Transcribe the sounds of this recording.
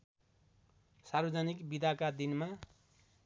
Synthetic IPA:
sarbʌd͡zʌnikbid̪akad̪inma

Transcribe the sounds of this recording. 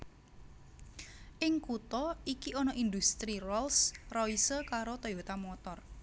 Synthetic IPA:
ʔɪŋkut̪ɔikiɔnɔʔind̪ust̪ɾirɔlsrɔisəkaɾot̪ɔjot̪amɔt̪ɔr

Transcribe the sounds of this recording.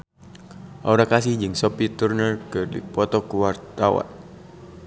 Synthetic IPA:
ʔaɾakasihd͡ʒɨŋsɔpit̪urnərkɨrdḭpɔt̪ɔkuwart̪awa̰n

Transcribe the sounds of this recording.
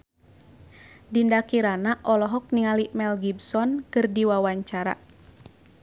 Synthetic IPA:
dindakiɾanaʔɔlɔɦɔk̚niŋalimɛlɡibsɔnkɨrdiwawaɲt͡ʃaɾa̰

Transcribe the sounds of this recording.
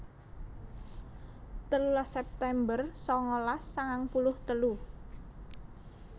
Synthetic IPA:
t̪əlulasɛp̚t̪ɛmbərsɔŋɔlasːaŋaŋpulʊht̪əlu

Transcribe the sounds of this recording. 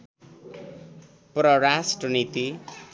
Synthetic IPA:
prʌrasʈrʌnit̪i

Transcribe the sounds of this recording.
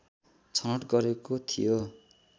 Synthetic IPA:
t͡sʰʌʌʈɡʌɾekot̪ʰḭjo

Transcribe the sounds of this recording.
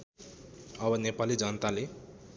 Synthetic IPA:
ʌbʌnepalid͡zʌnət̪ale

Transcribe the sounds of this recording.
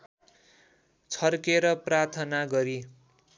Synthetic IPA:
t͡sʰʌrkeɾʌprart̪ʰʌnaɡʌɾi

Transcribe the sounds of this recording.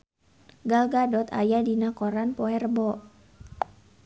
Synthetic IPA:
ɡalɡadɔt̪a̰jadinakɔɾanpɔɛrbɔ

